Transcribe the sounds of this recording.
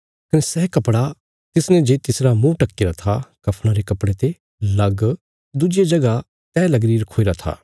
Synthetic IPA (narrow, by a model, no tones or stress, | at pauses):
kɐnɛsɛːkɐpɽa | t̪ɪsnɛ̃d͡ʒeːt̪ɪsɾamũʈɐkːɪɾat̪ʰakɐpʰɽ̃ãɾekɐpɽet̪e | lɐɡ | d̪ʊd͡ʒed͡ʒɐɡa | t̪ɛːlɐɡɾiːɾkʰoːiɾat̪ʰa̰ː